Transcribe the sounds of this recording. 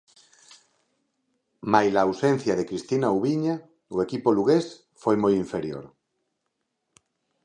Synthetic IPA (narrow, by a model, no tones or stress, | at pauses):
majlaːwsen̟θjaðekɾist̪inauβiɲa | oekipoluɣes | fojmojiɱfeɾjo̰ɾ